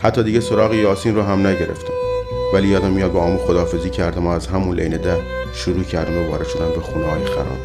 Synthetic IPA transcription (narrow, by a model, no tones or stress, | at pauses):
hæt̪ʰːɒːd̪iːɟesoɾɒːɣejɒːsiːnroːɦæmnæɟeɾḛft̪ʰe̥væliːjɒːd̪æmːijɒːd̪beɒːmuːxod̪ɒːfe̞ziːcʰæɾd̪æmoæzɦæmunlʔḛjned̪æh | ʃoɾuːcʰæɾd̪æmovɒ̰ːɾe̞d̪ʃo̞d̪ænbexunɒːmixæ̰ɾɒ̰ːm